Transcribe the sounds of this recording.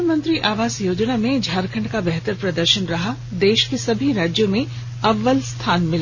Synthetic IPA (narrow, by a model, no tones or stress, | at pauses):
mə̃nt̪ɾiʔaːʋaːsjoːd͡ʒnamẽd͡ʒʱaːɾkʰə̃ɳɖkabɛɦt̪əɾpɾɐd̪əɾʃənɾɐɦa | d̪eːʃkesɐbʱiɾaːd͡ʒjõmẽ | ɐʋːəlst̪ʰaːnmɪlː